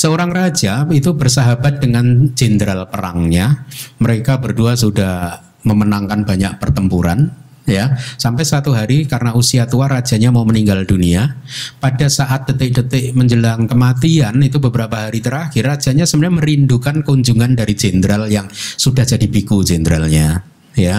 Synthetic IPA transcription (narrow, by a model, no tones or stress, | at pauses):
səoɾaŋrad͡ʒait̪ubərsaɦabat̪̚dəŋand͡ʒendɾalpəɾa̰ŋɲaməɾekabərduas̬udah | məmənaŋkanbaɲak̚pərt̪əmpuɾa̰n | jasampajsat̪uɦaɾikarənaʔusiat̪uarad͡ʒaɲamauməniŋɡalduniapadasaʔat̪̚dət̪ɪk̚dət̪ɪʔməɲd͡ʒəlaŋkəmat̪ianit̪ubəbəɾapaɦaɾit̪əɾaxɪrad͡ʒ̥aɲasəmbnɲaməɾindukankəuɲd͡ʒuŋandaɾid͡ʒendɾaljaŋsudahd͡ʒ̥adibikud͡ʒɛndɾalɲa | ja